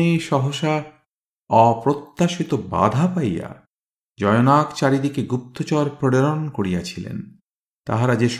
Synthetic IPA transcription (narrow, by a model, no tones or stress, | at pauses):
ejʃɔɦoʃa | ɔpɾot̪ːaʃit̪oba̰d̪ʱapajja̰ | d͡ʑɔjonakt͡ɕaɾid̪ikeɡup̚t̪ot͡ɕɔɾpɾoɾeɾonkoɾijat͡ɕʰilḛn | t̪a̰ɦaɾad͡ʑeʃ